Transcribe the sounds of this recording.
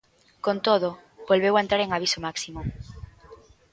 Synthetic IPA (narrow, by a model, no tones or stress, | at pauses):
kont̪oðo | bolβewaent̪ɾaɾeŋaβ̞isomaksimʊ